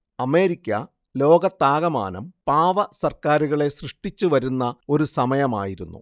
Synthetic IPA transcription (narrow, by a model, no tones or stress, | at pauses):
ɐme̞ːɾikʲːɐ̰ | lo̞ːɡɐt̪ːaːɣɐma̰ːnɐmpaːʋɐsɐrkaːɾuɣɐɭe̞srɨʂʈit͡ɕːuʋɐɾunːɐo̞ɾusɐmɐjɐma̰ːjiɾunːṵ